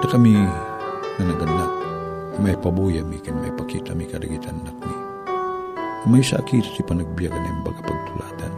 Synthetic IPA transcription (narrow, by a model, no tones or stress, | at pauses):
t̪akami | ŋanaɡanːaʔ | maipabujamikamma̰jpakḭt̪amikadaɡit̪ʰanːak̚mi | maisa̰ʔkit̪ḁt̪ipanaɡ̚biakanamba̰ɡapaɡ̚t̪ula̰t̪an